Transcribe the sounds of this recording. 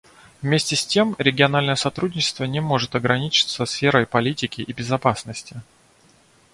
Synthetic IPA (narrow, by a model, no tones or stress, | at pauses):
vmʲesʲtʲɪsʲtʲe̞mɾʲɪɡʲɪɐnalʲnəjəsɐt̪ɾudʲnʲɪt͡ɕɪ̥st̪vənʲɪmo̞ʐɨt̪ɐɡɾɐnʲit͡ɕɪ̥t̪səsfʲe̞ɾəjpɐlʲitʲɪkʲɪʔɪbʲɪzɐpasnəsʲtʲɪ